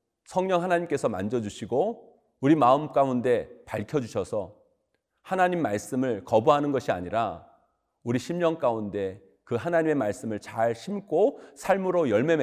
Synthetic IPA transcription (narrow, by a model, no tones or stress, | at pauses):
sʰʌŋɲʌŋɦanaɲimk͈e̞sʰʌma̰nd͡ʑʌd͡ʑuɕʰiɡo | uɾimaɯmk͈aunde̞paɭkʰjʌd͡ʑuɕʰʌsʰʌ | hanaɲimːaɭs͈ɯmɯɭkʌbuɦanɯnɡʌɕʰia̰ɲiɾa̰ | uɾiɕʰimɲʌŋk͈aunde̞ | kɯɦanaɲime̞maɭs͈ɯmɯɭt͡ɕaɭɕʰimk͈osʰaɭmɯɾojʌɭme̞m